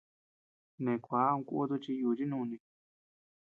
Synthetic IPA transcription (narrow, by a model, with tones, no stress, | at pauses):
nẽ˨kʷa˨˦ũ˧kṵ˦t̪u˧t͡ʃi˧juː˧˨t͡ʃi˦nũ˦˧nĩ˧